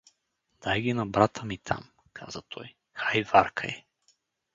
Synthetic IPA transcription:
d̪̥ajɡʲinɐbɾat̪ʰəmit̪ʰa̰m | kʰa̰zət̪ʰɔj | xajvaɾkʰə̰ɛ

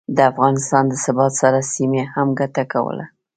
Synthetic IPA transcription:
d̪əafɣɑnɪst̪ɑnd̪əsɪbɑt̪saɾasimehamɡat̪akawə̰la̰

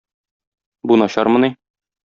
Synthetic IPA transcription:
bunɒɕɑɾmɤ̆ni

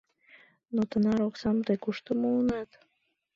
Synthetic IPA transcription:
not̪ənɑɾoksɑmt̪ekuʃt̪əmounɑt̪

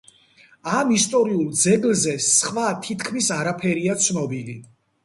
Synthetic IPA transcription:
amist̪ʼɔɾiulˠd̪zɛɡlzɛsχvat̪ʰit̪ʰkʰmisaɾapʰɛɾiat̪sʰnɔbili

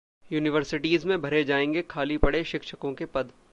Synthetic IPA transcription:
juːnɪʋəɾsɪʈiːzmẽbʱɐɾed͡ʒaːẽːŋɡekʰaːlipɐɽeʃɪkʃəkõkepɐd̪

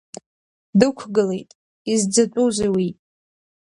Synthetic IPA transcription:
dɨkʷʰɡɨlejtʼ | izd͡zat͡sʷʼuzewi

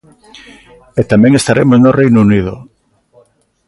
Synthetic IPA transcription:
et̪amẽŋest̪aɾemosnorejnounið̞ʊ

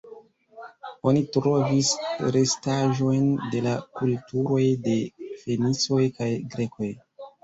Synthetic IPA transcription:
o̞nitɾo̞visɾe̞staʒo̞jnde̞lakultuɾo̞jde̞fe̞nit͡so̞jkajɡɾe̞ko̞j

